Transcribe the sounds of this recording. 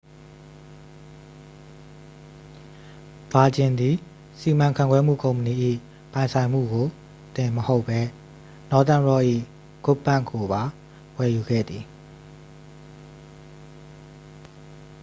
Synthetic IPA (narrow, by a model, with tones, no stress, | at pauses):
ba˨d͡ʑɪ̃˨nd̪i˨ | si˨mã˨ŋkʰã̰˦˨ŋɡwɛ˦m̥ṵ˦˨kõ˨ʊ̃mpə˨ni˨ʔḭ˦˨ | pã˨ɪ̃nsʰã˨ɪ̃m̥ṵ˦˨ɡo˨ | t̪ɪ̃˨məho˦ʊpʰːɛ˦ | nɔ˦t̪ã˦˨ɹɔ˦˨ʔḭ˦˨ | ɡ̥ʊ˦pːã˦˨ŋko˨ba˨ | wɛ˨ju˨ɡɛ̰˦˨d̪ði˨